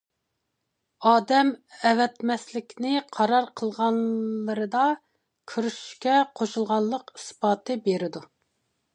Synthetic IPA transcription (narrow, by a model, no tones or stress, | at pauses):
ɑːd̪ɛmɛvɛt̪mɛslɪkʲnɪqʰɑɾɑɾqʰəlˠʁɑnːɨɾɨd̪ɑ | kʲʰyɾyʃkʲɛqʰoʃulˠʁɑllːˠəqisbɑːt̪ʰɨbeɾɪd̪u